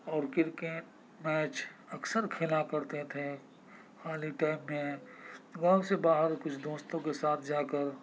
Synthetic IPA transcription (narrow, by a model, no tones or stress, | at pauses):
ɔːɾkɪɾkeʈ | mɛːt͡ʃɐksəɾkʰeːlakɐɾt̪et̪ʰe | xaːliʈaːɪmːẽ | ɡaːwsebaːɦəɾkʊt͡ʃʰd̪oːst̪õkesaːt̪ʰd͡ʒaːkəɾ